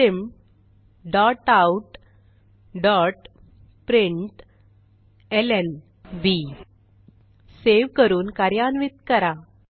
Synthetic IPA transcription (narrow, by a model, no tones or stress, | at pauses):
em | ɖɔʈauʈ | ɖɔʈ | pɾiɳʈ | elen | ʋi | seʋkəɾuːnkaɾjanʋit̪kəɾa